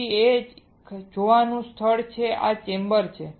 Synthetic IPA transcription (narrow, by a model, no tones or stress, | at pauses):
ie | d͡ʒoʋanũst̪ʰəɭt͡ʃʰeʔa̰t͡ʃembəɾt͡ʃʰe